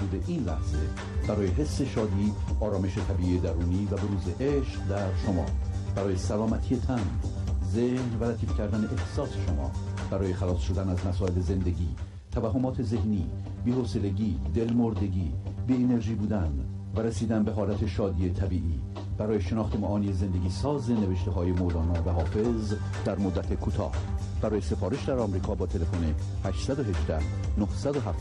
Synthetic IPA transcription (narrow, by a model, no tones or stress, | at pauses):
uːd̪eʔiːnlæ̰hz̥e | b̥æɾɒːjeɦe̞sːe̞ʃɒːd̪iːɒːɾɒːme̞ʃet̪ʰæbiːiːed̪æɾuːniːvæbe̞ɾuːzeʔeʃqd̪æɾʃomɒ̰ːb̥æɾɒːje̞sælɒːmæt̪ʰijet̪ʰænzehnvælæt̪ʰiːfcʰæɾd̪æne̞ʔehsɒːseʃomɒ̰ːb̥æɾɒːje̞xælɒːsʃod̪ænæzmæsɒːe̞leze̞nd̪e̞ɟiː | t̪ʰævæhːomɒːt̪ʰe̞ze̞hniː | biːhose̞le̞ɟiːd̪e̞lmoɾd̪e̞ɟiːbiːene̞ɾʒiːbuːd̪æn | væɾesiːd̪ænbe̞ɦɒːlæt̪ʰe̞ʃɒːd̪iːet̪ʰæbiːʔiː | b̥æɾɒːjeʃenɒːxt̪ʰemæʔɒːniːeze̞nd̪e̞ɟiːsɒːzene̞veʃt̪e̞ɦɒːje̞molɒːnɒːvæɦɒːfe̞z | d̪æɾmod̪ːæt̪ʰe̞kʰuːt̪ʰɒ̰ːh | b̥æɾɒːje̞se̞fɒːɾe̞ʃd̪æɾɒmɾiːkʰɒːbɒːt̪ʰe̞le̞fone | hæʃt̪sæd̪oɦe̞ʒd̪æh | nohsæd̪oɦæft̪